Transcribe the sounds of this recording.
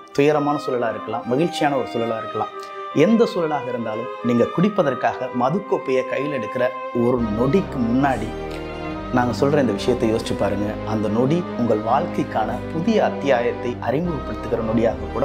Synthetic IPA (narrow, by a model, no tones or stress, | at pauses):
t̪ʊjɐɾɐmaːnɐsuːlɐlaːɪɾɯkːɐlãːmɐɣɪɻt͡ʃːɪjaːnɐɔɾɯsuːlɐlaːɪɾɯkːɐlãː | ɛnd̪ɐsuːlɐlaːɣɐɪɾɯnd̪aːlɯmniːŋɡɐkʊɽɪpːɐðɐrkaːɣɐmɐðɯkːopːejɐkɐjːɪlɛɽɯkːɪɾɐ | ɔɾɯnɔɽikːɯmʊnːaːɽi | naːŋɡɐsɔlːɾ̃ɪnd̪ɐʋɪʂɐjɐt̪ːɐjoːsɪt͡ʃːɯpːaːɾɯŋɡɐɐnd̪ɐnɔɽiʊŋɡɐɭʋaːlkɐɪkːaːnɐpʊðɪjɐːt̪ːɪjaːjɐt̪ːɐɪʔɐɾɪmɡɯʋɐpːɐɽɯt̪ːɯkːɪɾɐnɔɽɪjaːɣɐkːuːɽɐ